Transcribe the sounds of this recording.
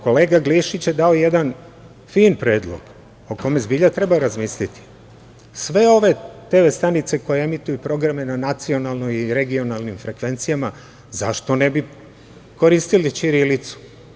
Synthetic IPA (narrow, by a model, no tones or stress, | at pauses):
ko̞leːɡaɡliʃit͡ɕjed̪ao̞je̞d̪an | fiːnpɾe̞ːd̪lˠo̰ɡ̥ | o̞ko̞me̞zbiːʎat̪ɾe̞baɾazmiːslit̪i̥ | sʋe̞o̞ʋe̞t̪e̞ʋe̞st̪anit̪se̞ko̞jeemit̪ujupɾo̞ɡɾame̞nanat̪sio̞nalˠnojiɾe̞ɡio̞nalnimfɾe̞kʋe̞nt̪sijama | zaʃt̪o̞ne̞bi | ko̞ɾiːst̪ilit͡ʃiɾilit̪su̥